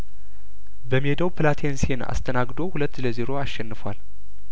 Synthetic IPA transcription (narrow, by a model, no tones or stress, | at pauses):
bəmihed̪əwpʰɨlat̪ʰensena̰st̪ʰənaɡd̪o̞hulət̪ːləzeɾo̞aʃːɛnːɨfwal